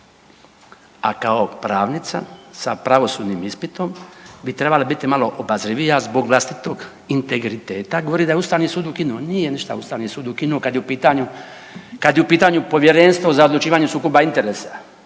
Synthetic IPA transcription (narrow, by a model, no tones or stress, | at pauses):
a̰kaopɾaːʋnit̪sa̰sa̰pɾaʋo̞suːd̪niːmispit̪o̞mbit̪ɾe̞balabit̪imalo̞ʔobazɾiʋijazbo̞ɡʋlˠast̪it̪oɡ | int̪e̞ɡɾit̪eːt̪aɡo̞ʋoɾiːd̪ajeust̪aːʋniːsuːd̪ukinuonijeniʃt̪a̰ust̪aːʋniːsuːd̪ukinuokad̪jeupit̪aɲu | kad̪jeupiːt̪aːɲupo̞ʋje̞ɾenst̪ʋozaod̪lˠut͡ʃiːʋaːɲusuːkobaint̪e̞ɾeːsa